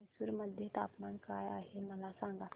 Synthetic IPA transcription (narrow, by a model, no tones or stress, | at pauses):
suɾməd̪ʱjet̪apmankajaːɦeməlasãŋɡat̪